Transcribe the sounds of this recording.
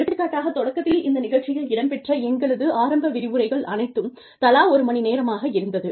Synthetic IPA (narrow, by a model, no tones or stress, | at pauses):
ɽɯʈ̪ːɾɯkːaːʈːaːɣɐt̪ːɔɽɐkːɐt̪ːɪlɪnd̪ɐnɪɣɐɭt͡ʃːɪjɐɭɪɽɐmpɛʈrɐɛŋɡɐɭɐðɯʔaːɾɐmbɐʋɪɾɪʋɯɾɐɪɣɐɭʔɐnɐɪt̪ːɯm | t̪ɐlaːɔɾɯmɐɳineːɾɐmaːɣɐɪɾɯnd̪ɐðɯ